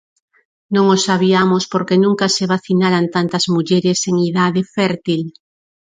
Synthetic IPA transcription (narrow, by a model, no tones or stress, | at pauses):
nõŋosaβ̞iamospoɾkenũŋkaseβaθinaɾant̪ant̪ɐzmuʎɛɾɪseŋiðaðɪfɛɾt̪il